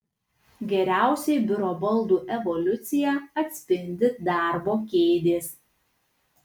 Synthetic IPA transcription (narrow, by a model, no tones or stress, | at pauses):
ɡʲɛɾʲæˑʊsʲɛɪbʲʊɾɔːbɐlˠd̪uːʔɛʋɔlʲʊt̪sʲɪjɛɐt̪ʲsʲpʲɪnʲd̪ʲɪd̪ɑˑɾboːkʲeːd̪ʲeːs